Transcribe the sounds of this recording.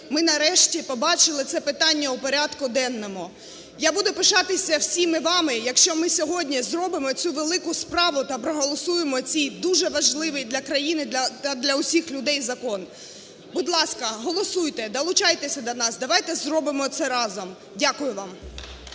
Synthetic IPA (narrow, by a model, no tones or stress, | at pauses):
mɪnɐɾɛʃtʲipɔbɑt͡ʃɪlˠɪt̪sɛpɪt̪ɑnʲːɐʊpɔɾʲat̪kʊd̪ɛnːɔmʊ | jabud̪ʊpɪʃɑt̪ɪsʲɐwsʲimɪʋɑmɪjɐkʃt͡ʃɔmɪsʲɔɦɔdʲnʲizrɔbɪmɔt͡sʲuʋelˠɪkʊspɾɑʋʊt̪ɐpɾɔɦɔlˠɔsujemɔt͡sʲijd̪uʒɛʋɐʒlˠɪʋɪjd̪lʲɐkɾɐjinɪd̪ʲɐt̪ɐd̪lʲɐʊsʲixlʲʊd̪ɛjzɐkɔn | bʊd̪lˠɑskɐɦɔlˠɔsujt̪ɛd̪ɐlˠʊt͡ʃɑjt̪esʲɐd̪ɐnɑsd̪ɐʋɑjt̪ɛzrɔbɪmɔt̪sɛɾɑzɔm | dʲakʊjʊʋɑm